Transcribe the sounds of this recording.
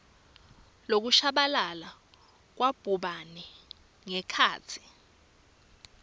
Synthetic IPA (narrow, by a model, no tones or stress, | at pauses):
lok̬uʃaɓalala | k̬wab̥ʱuɓanɛ | ŋɛkʰaːt͡sʰi̥